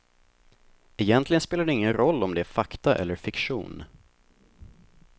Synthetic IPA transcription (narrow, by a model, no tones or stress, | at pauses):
ɛjɛnt̪lɪɡənspeːlaɖɛɪŋːənɾɔlːɔmd̪ɛæɾfakt̪aʔɛ̰lːəɾfɪkɧṵːn